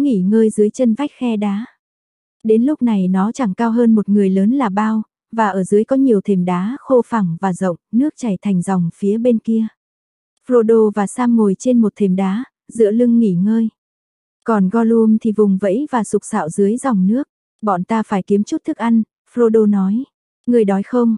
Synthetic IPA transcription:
ŋḭ˧˩ŋəː˧jzɨ˨˦əjt͡ɕə˧nva˦˥jk̟̚xɛ˧ɗaː˨˦ | ɗe˨˦nlʊ˦˥k͡p̚na˨˩jnɔ˨˦t͡ɕa˧˩ŋkaː˧wɦəː˧nmo˨˩t̚ŋɨ˨˩əjləː˨˦nlaː˨˩ɓaː˧w | vaː˨˩ʔəː˧˩zɨ˨˦əjkɔ˨˦ɲi˨˩əwt̪ʰi˨˩mɗaː˨˦xo˧fa˨˩ŋvaː˨˩zə̰˧˨wŋ͡mnɨ˦˥ək̚t͡ɕa˧˩jt̪ʰɛ˨˩ŋ̟zɔ˨˩wŋ͡mfi˨˦əɓe˧nki˧ə | flo˧ɗo˧vaː˨˩saː˧ŋːo˨˩jt͡ɕe˧nmo˨˩t̚t̪ʰi˨˩mɗaː˨˦ | zɨ̰˧˥əlɨ˧ŋːḭ˧˩ŋəː˧j | kɔ˨˩nɣɔ˧lu˧əŋt̪ʰi˨˩vʊ˨˩ŋ͡mvə̰˧˥jvaː˨˩sʊ˨˩k͡p̚sa̰ː˧˨wzɨ˨˦əjza˨˩wŋ͡mnɨ˦˥ək̚ | ɓɔ̰˧˨nt̪aː˧faː˧˩jki˨˦əmt͡ɕu˦˥t̚t̪ʰɨ˦˥k̚ʔa˧jŋ̟ | flo˧ɗo˧nɔ˨˦j | ŋɨ˨˩əjɗɔ˨˦jxə˧wŋ͡m

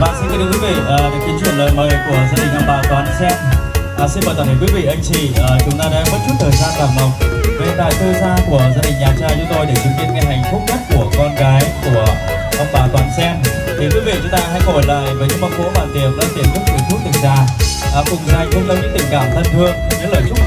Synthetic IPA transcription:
ɓa̰ː˧˨si˧nɨ˧˦ɗɨ̰˨˧˦kwi˨˦vḭ˧˨ʔːɨ˨˩k̚t̪i˨˦t͡ɕwḭ˧˩ənləː˨˩jməː˨˦jku˧˩əzaː˧ɗï˨˩ŋ̟ʔə˧ŋ͡mɓaː˨˩t̪waː˨˩nʔa˧˦sɛ˦˥t̚ʔəː˨˩si˧nməː˨˩zaː˧˩əː˧˨˩kwi˨˦vḭ˧˨ʔə˧jŋt͡ɕi˧˨˩ʔəː˨˩t͡ɕʊ˨˦ŋ͡mt̪aː˧a̰ː˧˥mə˦˥t̚t͡ɕu˦˥t̚t̪ʰəː˨˩jzaː˧nkaː˧˩mlə˨˩wŋ͡m̚ve˨˩t̪a̰ː˧˨jt̪ʰɨ˧zaː˧ku˧˩əzaː˧ɗï˨˩ŋ̟ɲaː˨˩t͡ɕaː˧˩t͡ɕʊ˨˦ŋ͡mt̪o˧jɗe˧˩t͡ɕɨ˨˧˩vḭ˧˨ənkə˧˩nha˨˩jŋ̟fʊ˦˥k͡p̚ɲa˦˥t̚ku˧˩əkɔ˧nɣaː˨˦jku˧˩ə | ʔə˧wŋ͡mɓaː˨˩t̪waː˨˩nsɛ˧n | t̪ʰi˨˩kwi˨˦vḭ˧˨t͡ɕʊ˨˦ŋ͡mt̪aː˧ɦa̰˧˥jhɔ˧˩jlaː˨˩jvəː˨˦jɲɨ̰˧˥mɓa˧˦˥n̚ko̰˧˥ɓaː˨˩nt̪i˨˩əp̚ɗa̰ː˧˥t̪i˧˩əmt̪ʊ˦˥k̚zɨ˨˩t̪ʰu˦˥t̚t̪ɨ˨˩ŋ̚zaː˧˩ʔəː˨˩kʊ̰˨˩ŋ͡mza˧˩jkə˧ŋ͡mt͡ɕɔ˧ŋ͡mɲɨ̰˧˥ŋt̪ï˧˩ŋ̟kaː˧˩mt̪ʰə˧nt̪ʰɨ˧ən˧ɲɨ̰˧˥ləː˨˩jt͡ɕʊ˦˥

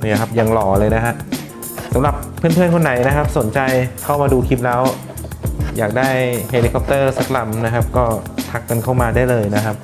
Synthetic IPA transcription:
kʰa˦˥p̚ja˧ŋlɔː˨˩˦lɤː˧jna˦˥kʰa˦˥ʔ | sa˨˦mɾa˨˩pʰːɯ˥˩npʰɯ˥˩ənkʰo˧nːa˩˦jna˦˥kʰa˦˥p̚so˩˦nt͡ɕa˧jkʰa˥˩wmaː˧duː˧kʰi˦˥p̚lɛː˦˥w | ja̰ː˨˩k̚daː˥˩jhe˧li˦˧kʰɔ˦p̚t̪ɤː˥˩sa˦˥k̚la˧mna˦˥kʰa˦˥p̚kɔː˥˩t̪ʰa˦˥kːa˧nkʰa˥˩wmaː˧daː˥˩jlɤː˧jna˦˥kʰa˦˥p̚

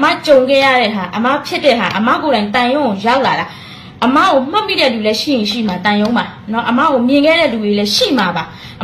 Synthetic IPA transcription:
əma̰˦˨t͡ɕõ˨ʊ̃ŋɡɛ˦˨ja̰˦˨ɾɛ̰˦˨ɦa˨ʔə˨ma̰˦˨pʰjɪ˦tːɛ̰˦˨ɦa˨ʔəma̰˦˨ko˨ɾã˨ɪ̃nt̪ã˨jõ˦o˨ja˦ʊʔla˨ɾa˨ | ʔəma̰˦˨ɡo˨m̥ã˦ʔmːḭ˦˨ɾɛ̰˦˨lu˨lɛ˦ʃḭ˦˨jɪ̃˨ʃḭ˦˨ma˨t̪ã˨jõ˦ma˨nɔ̰˦ʔəma̰˦˨ɣo˨mjɪ̃˨ŋɡɛ˦˨ɾɛ̰˦˨lu˨ɾe˨lɛ˦ʃḭ˦˨m̥a˨ba˨

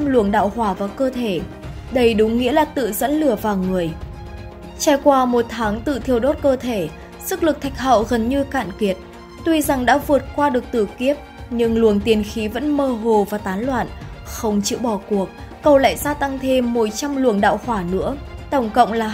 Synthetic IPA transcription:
mlu˧˩əŋɗa̰ː˧˨whwaː˧˩vaː˨˩wkəː˧t̪ʰe˧˩ | ɗə˨˧jɗʊ˨˦ŋ͡mŋḭ˧˥əlaː˨˩t̪ɨ̰˧˨zə̰˧˥nlɨ˧˩əvaː˨˩wŋɨ˨˩əj | t͡ɕaː˧˩jkwaː˧mo˨˩t̚t̪ʰaː˨˦ŋt̪ɨ̰˧˨t̪ʰi˧˩əwɗo˦˥t̚kəː˧t̪ʰe˧˩ | sɨ˦˥k̚lɨ˨˩k̚t̪ʰa˨˩jk̟̚ɦə̰˧˨wɣə˨˩nɲɨ˧ka̰ː˧˨nki˨˩ət̚ | t̪wi˧za˨˩ŋɗa̰ː˧˥vɨ˨˩ət̚kwaː˧ɗɨ˨˩ək̚t̪ɨ̰˧˩ki˦˥əp̚ɲɨ˧ŋlu˨˩ənt̪i˨˩ənxi˨˦və̰˧˥nməː˧ɦo˨˩vaː˨˩t̪aː˨˦nlwa̰ː˧˨nxə˧wŋ͡mt͡ɕɨ̰˧˨ɓɔ˧˩ku˨˩ək̚ːə˨˩wla̰ː˧˨jzaː˧t̪a˧ŋt̪ʰe˧mːo˨˦t̚t͡ɕa˧mlu˧˩əŋɗa̰ː˧˨whwaː˧˩nɨ̰˧˥ət̪ə˧˩wŋ͡mkə̰˧˨wŋ͡mlaː˨˩

